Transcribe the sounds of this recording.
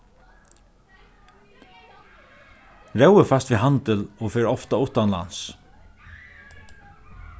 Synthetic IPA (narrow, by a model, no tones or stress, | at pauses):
ɹɛwəfast̪ʋiɦant̪ɪlɔfɛːɾɔft̪aʊht̪anla̰ns